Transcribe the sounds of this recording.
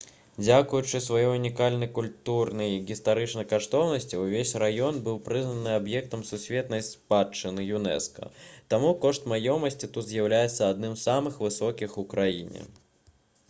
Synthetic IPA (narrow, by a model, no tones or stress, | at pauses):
d͡zʲakujut͡ʂɨsvajɔjunʲikalʲnɐjkulʲt̪urnɐjiɣʲist̪aɾɨt͡ʂnɐjkaʂt̪ɔwnɐsʲt͡sʲiwvʲesʲrajɔnbɨwpɾɨznɐnɨabjɛk̚t̪ɐmsusʲvʲeɛt̪nɐjspat͡ʂːɨnɨjunɛ̰skɐ̰t̪amukɔʂt̪majɔmɐsʲt͡sʲit̪ut̪zʲjɐwlʲajɛt̪sːɐːd̪nɨmzsːamɨxvɨsɔkʲixukɾajḭnʲɛ̰